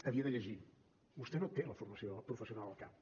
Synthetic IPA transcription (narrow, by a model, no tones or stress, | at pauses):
əβiəðəʎəʒiɾ | bust̪enot̪eləfuɾməsiopɾufəsiunalˠəkap̚